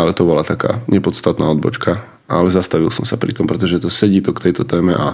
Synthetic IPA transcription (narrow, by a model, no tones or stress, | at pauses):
alɛt̪ɔbɔlat̪aka̰ːɲɛpɔt̪st̪at̪naːɔd̪bɔ̰t͡ʃkʰa | alɛzast̪aʋilˠsɔmsapɾḭt̪ɔmpɾɛt̪ɔʒɛt̪ɔsɛɟiːt̪ɔkt̪ɛjt̪ɔt̪ɛːmɛʔa